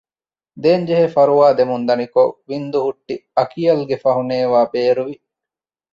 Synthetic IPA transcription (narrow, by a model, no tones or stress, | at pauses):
d̪eːɲd͡ʒeɦefɐɾuʋaːd̪emund̪ɐnikoʋind̪uɦuʈːiɐkijɐlɡefɐɦuneːʋaːbeːɾuʋi